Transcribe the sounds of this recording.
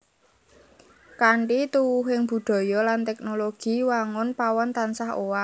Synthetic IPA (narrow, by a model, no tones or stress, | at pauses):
kaɳʈit̪uwʊɦɪŋb̥ṳd̪̥ɔ̤jɔlant̪ɛk̚noloɡ̥i̤waŋʊnpawɔnt̪ansaɦowa